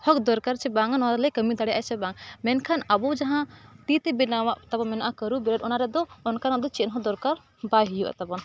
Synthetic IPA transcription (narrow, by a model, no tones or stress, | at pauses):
hɔkd̪ɔɾkaɾt͡ʃʰɛbaŋanɔaɾɛlɛkəmid̪aɽɛjaʔɛjsɛbaŋmɛnkʰanabɔwd͡ʒaɦãt̪it̪ɛbɛnawaʔt̪abɔmɛnaʔakəɾubɛɾəɖɔnaɾɛd̪ɔːnkanad̪ɔt͡ʃɛnɦɔd̪ɔɾkaɾ | baɦijuʔa̰t̪abɔn